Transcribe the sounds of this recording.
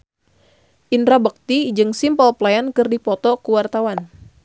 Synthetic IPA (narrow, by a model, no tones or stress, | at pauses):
ʔindɾabək̚t̪id͡ʒɨŋsimpɔlplajankɨrdipɔt̪ɔkuwart̪awan